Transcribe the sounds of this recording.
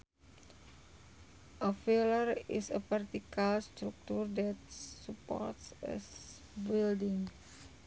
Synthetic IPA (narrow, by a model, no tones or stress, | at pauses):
ʔɔfelərisəfɛrt̪ikalst̪ɾuk̚t̪urdɛt̪̚supɔ̰rt̪sɛ̰s | bildiŋ